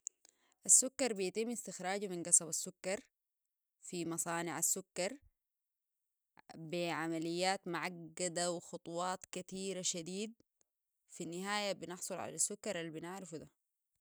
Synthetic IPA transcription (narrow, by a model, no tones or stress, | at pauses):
ʔasːʊkːɑɾˤbijat̪imːɪst̪ɪxɾaːɟminɡɑsˤɑbasːʊkːɑɾˤ | fimɑsˤɑːnɪʕasːʊkːɑɾˤ | biʕamalɪjːaːt̪mʊʕaɡːad̪awɪxʊt̪ˤuwɑːt̪ˤkat̪iːɾaʃad̪iːd̪̚ | finːɪɦaːjabɪnɨħsˤʊlʕa̰lasːʊkːɑɾˤʔalːibinɪʕɾɪfud̪a